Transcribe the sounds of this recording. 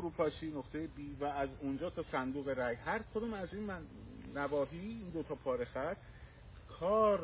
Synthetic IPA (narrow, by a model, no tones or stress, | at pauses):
ɾuːpʰɒːʃiːnoχt̪ʰe̞jebiːvæːzond͡ʒɒːt̪ʰɒːsænd̪uːɣe̞ɾæjhæɾkʰod̪oːmæziːnnævɒːɦiːiːnd̪ot̪ʰɒːpʰɒːɾexæt̪ | kʰɒːɾ